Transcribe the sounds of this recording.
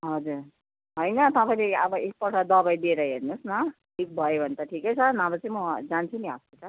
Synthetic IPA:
ɦʌd͡zuɾ | ɦʌjnʌt̪ʌpaĩleʌbʌek̚pʌʈʰʌd̪ʌbajd̪ieɾʌɦernusnʌʈʰik̚bʱʌjobʱʌnet̪ʌʈʰikʌjt͡sʰʌnabʌt͡sʌĩmʌd͡zant͡sʰuniɦʌstet͡sʰʌ

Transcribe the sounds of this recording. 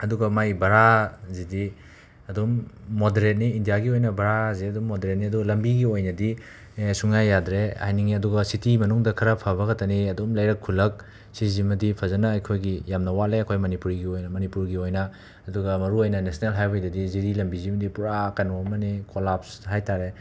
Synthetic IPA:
ɐduɡɐmajbɐɾazidi | ɐdumːodeɾet̚niːndijaɡiojnɐbɐɾazeɐdumːodeɾet̚niɐduɡlɐmbiɡiojnɐdi | suŋajːadɾea̰jniŋiɐduɡɐsitimɐnuŋdɐkʰɐɾɐpʰɐβɐɡɐtɐniɐdumlɐjɾɐkʰːulɐk̚ | sizimɐdipʰɐzɐnɐɐjkʰojɡijamnɐwaleɐkʰojmɐnipuɾiɡiojmɐnipuɾɡiojnɐ | ɐduɡɐmɐɾuojnɐnesnelɦajbajdɐdiziɾilɐmbizimɐdipuɾakɐnuɐmɐnikolapshajtaɾe

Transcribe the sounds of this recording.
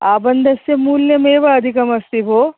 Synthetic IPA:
aːbɐnd̪ʱɐsjɐmuːljɐmeːʋaɐd̪ʱikɐmɐst̪ibʱoː

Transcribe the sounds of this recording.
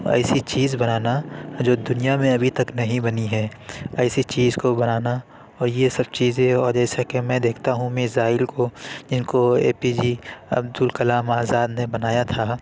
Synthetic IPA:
ɛ̰ːsit͡ʃiːzbɐnaːnad͡ʒoːd̪ʊnijamẽɐbʱit̪ɐknɐɦĩbɐniɦɛːɛːsit͡ʃiːzkobɐnaːna | ɔːɾjesɐb̚t͡ʃiːzẽɔːɾd͡ʒɛːsakemɛ̃d̪eːkʰt̪aɦũmɪzaːɪlkod͡ʒɪnkoḛːpid͡ʒiɐ̰bd̪ʊlkɐlaːmaːzaːd̪nebɐnaːjat̪ʰaː

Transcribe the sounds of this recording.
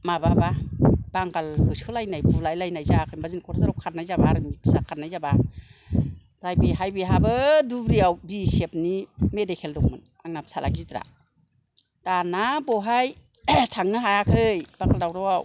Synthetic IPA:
mababab̥aŋɡalhɯskʰɯlajnajbulajlajnajzakʰɯjnbazinkʰɔɾzaɾɔwkʰatnajzabaɾɯmitsakʰat̚najzaba | bɾajbiɦajbiɦabɯdubɾijawdisep̚nimedekʰeldɔŋmɯn | aŋnap̚salʔa̰ɡitɾa̰ | d̥anabɔɦaj | tʰaŋnɯɦajakʰɯjb̥akʰaldawɾawaw

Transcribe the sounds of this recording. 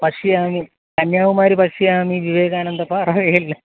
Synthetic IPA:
pɐʂiaːmi | kɐnjaːʋumaːɾipɐʂijaːmiʋiʋeːɣaːɳend̪ɐpːarɐʋejilːɐ

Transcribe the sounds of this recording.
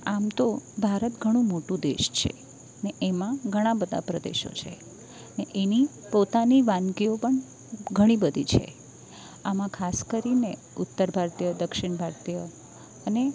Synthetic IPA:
amt̪obʱaɾət̪ɡʱəɽ̃ũmoʈũd̪ḛʃt͡ʃʰḛ | neʔemãɡʱəɽ̃ãbəd̪ʱa̰pɾəd̪ḛʃo̰t͡ʃʰḛ | neʔeni | pot̪aniʋankiopəɳ | ɡʱəɽ̃ibəd̪ʱit͡ʃʰḛ | amãkʰaskəɾine | ʊt̪ːəɾbʱaɾt̪ijəd̪əkʃɪɳ̃bʱaɾt̪ijə | əne

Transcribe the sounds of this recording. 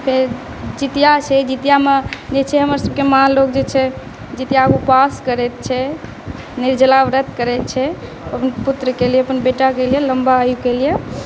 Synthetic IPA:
pʰeɾ | d͡ʒit̪ijat͡ʃʰɛd͡ʒit̪ijamed͡ʒet͡ʃʰɛɦəməɾsəb̚kemalokd͡ʒet͡ʃʰɛ | d͡ʒit̪ijaːɡupaskəɾɛt̪̚t͡ʃʰɛ | niɾd͡ʒəlaʋɾət̪kəɾɛt̪̚t͡ʃʰɛ | əpənput̪ɾəkelijeəpənbeʈakelijeləmbaəjukelije

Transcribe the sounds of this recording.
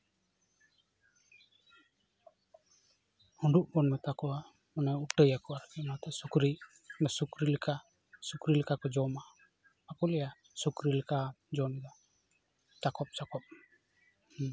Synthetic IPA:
huɳɖuʔbɔnmɛt̪akɔwa | ɔnɔupʈəjakɔaɾkɛnat̪ɛsukɾi | mɛsukɾilɛkʰa | sukɾilɛkakɔd͡ʒɔmaː | kɔlɛja | sukɾilɛkad͡ʒɔmɛd̪a | t͡ʃakɔp̚t͡ʃakɔp̚ | h

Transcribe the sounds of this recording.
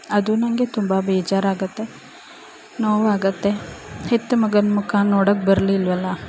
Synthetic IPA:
ɐd̪unɐŋɡet̪umbɐbɛːt͡ʃaːɾaːɡɐt̪ːe̞ | noːʋaːɡɐt̪ːe̞het̪ːumɐɡɐnmukaːnnːoːɽɐk̚bɐɾliːlʋɐlːɐ

